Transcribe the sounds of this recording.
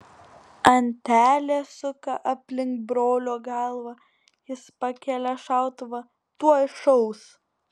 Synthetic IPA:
ɐnʲt̪ʲæːlʲeːsʊkɐ̰ʔɐpʲlʲɪŋkt̪̚bɾoːlʲoːɡɑlˠʋɐ | jɪspɐkʲɛːlʲɛʃɑˑʊt̪ʋɐ | t̪uɔɪʃɔʊs

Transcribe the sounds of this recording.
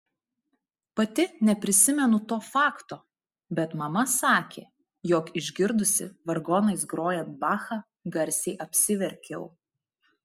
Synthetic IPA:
pɐt̪ʲɪnʲɛpʲɾʲɪsʲɪmʲɛnʊt̪oːfɑːkt̪oː | bʲɛt̪mɐmɐsɑːkʲḛː | joːkɪʒʲɡʲɪɾd̪ʊsʲɪ̰ʋɐɾɡɔːnɐɪsɡɾoːjɛnt̪̚bɑːxɑː | ɡɐɾʲsʲɛɪʔɐpʲsʲɪʋʲɛɾʲkʲɛʊ

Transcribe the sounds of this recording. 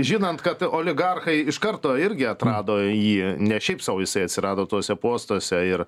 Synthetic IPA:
ʒʲiːnɐnt̪kɐt̪oːlʲɪɡɐrxɐɪɪʃkɐɾt̪oːɪɾʲɡʲɪɐt̪ɾɑːd̪oːjiːnʲɛʃʲɛɪpsɑʊjɪsɐɪɐt̪ʲsʲɪɾɑːd̪oːt̪oːsʲɛpuɔst̪osʲɛɪr

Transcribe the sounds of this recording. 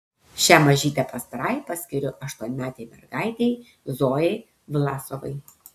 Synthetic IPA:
ʃʲæːmɐʒʲiːt̪ʲɛpɐst̪ɐɾɐɪpɐsʲkʲɪɾʲʊʔɐʃt̪uɔnʲɪmʲæːt̪ʲɛɪmʲɛ̰ɾɡɑɪt̪ʲɛɪ | zoːjɛɪ | ʋʲɪlˠɑːsoʋɐ̰ɪ

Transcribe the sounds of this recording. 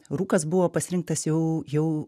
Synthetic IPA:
ruːkɐs̬bʊʋoːpɐsʲɪɾʲɪŋk̚t̪ɐsjɛʊjɛʊ

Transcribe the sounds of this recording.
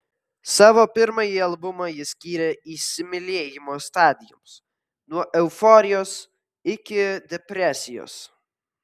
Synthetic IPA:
sɑːʋoːpʲɪɾmɐjiɐlˠbʊmɐjɪsʲkʲiːɾʲɛiːsʲɪmʲɪlʲeːjɪmoːst̪ɑːd̪ʲɪjʊ̰ms | nuɔʔɛʊfɔːɾʲɪjoːs | ɪkʲɪd̪ʲɛpʲɾʲɛsʲɪjo̰ːs

